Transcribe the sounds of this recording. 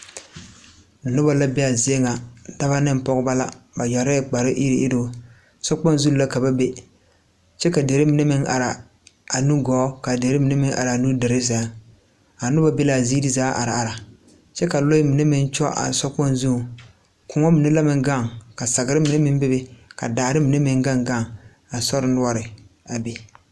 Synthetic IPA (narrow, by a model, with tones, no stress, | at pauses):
nʊ˦ba˨la˦bɛ˦a˨zɪ˦e˦ŋa˨da˦ba˦nɪ˦m˨pɔ˦ɣʊ˦ba˦la˦ba˨ja˨ɾɛ˦k͡pa˨ɾɪ˦ʔi˦ɾɪ˨ʔɪ˦do˦ | sɔ˦k͡pɔ˦n˦zu˦la˦ka˨ba˦be˦ | t͡ʃɛ˦ka˨de˨ɾɪ˦mi˨ne˦mɪ˦ŋʔa̰˨ɾa˨ | a˨nu˦ɡɔː˨˦ka˨de˨ɾɪ˦mi˨ne˦mɪ˦ŋʔa̰˨ɾa˨a˨nu˦de˨ɾɪ˦za˨˦ | a˨nʊ˦ba˦be˦la˨zi˦di˦zaː˨˦ʔa̰˨ɾa˨a˨ɾa˨ | t͡ʃɛ˦ka˨lo˦ɪ˦mi˨ne˦mɪ˦nt͡ʃɔ̰˦ʔa̰˨sɔ˦k͡pɔ˦nzu˦˨ | kʰʊ˨ŋɔ˦mɪ˨ne˦la˦mɪ˦ŋɡa˦˨ŋka˨sa˨ɡɪ˨˦ɾɪ˦mi˨ne˦mɪ˦n˦bɪ˦be˦ka̰˨daː˨ɾɪ˦mi˨ne˦mɪ˦ŋɡa˦ŋɡa˦˨ŋ | a˨sɔ˦ɾɪ˨˦nʊ˦ɔ˦ɾɪ˨ | a˨be˨